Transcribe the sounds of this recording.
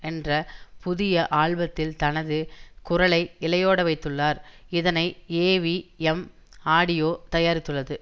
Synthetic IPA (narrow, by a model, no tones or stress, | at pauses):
ɛndrɐpʊðɪjɐʔaːɭʋɐt̪ːɪlt̪ɐnɐðɯkʊrɐɭɐɪɪlɐjoːɽɐʋɐɪt̪ːɯɭːaːɾɪðɐnɐɪeːʋiɛm | aːɽɪjoːt̪ɐjaːɾɪt̪ːɯɭːɐðɯ